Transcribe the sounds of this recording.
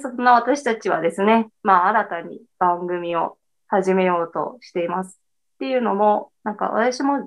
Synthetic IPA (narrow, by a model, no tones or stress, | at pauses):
sonːaβ̞at̪aɕi̥t̪at͡ɕiβa̰d̪e̞sɨne̞maːɾat̪aɲ̟ḭ | b̥ãŋɡɯ̟mʲio̞̰ | haʑime̞jo̞ːt̪o̞̰ɕi̥t̪e̞imasɨ̥ | t̪ːe̞jɯ̟ːno̞mo̞nãŋka̰βa̰t̪aɕimo̞